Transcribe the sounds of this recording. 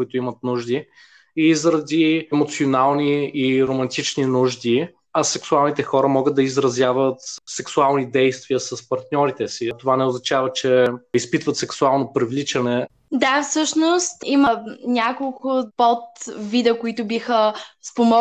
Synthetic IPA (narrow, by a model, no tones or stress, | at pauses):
kʊit̪ʊimɐt̪nuʒd̪i | izɾɐd̪iɛmot̪sionalˠniːɾomɐnt̪it͡ʃninuʒd̪i | ɐsɛksualˠnit̪ɛxɔɾəmɔɡət̪̚d̪ɐizɾɐzjavət̪sɛksualˠnid̪ɛjst̪viəsɐspɐɾt̪nʲɔɾit̪ɛsit̪ovanɛoznɐt͡ʃavət͡ʃɛispit̪vət̪sɛksualˠnopɾivlit͡ʃɐnɛ | d̪afsɤʃnost̪imənʲakolˠkʊpɔt̪vid̪əkoit̪ʊbixəspomɔ